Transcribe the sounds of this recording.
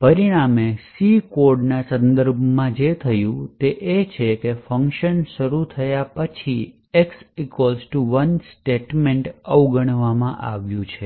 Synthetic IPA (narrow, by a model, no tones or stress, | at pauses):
pəɾiɽ̃amesikoɾɖnasə̃nd̪əɾbʱmãd͡ʒet̪ʰəjũt̪eʔet͡ʃʰekefəŋkʃənʃəɾut̪ʰəjapət͡ʃʰi | eksikolsʈuʋənsʈeʈmeɳʈəʋɡəɽ̃ʋamãʔaʋjũt͡ʃʰe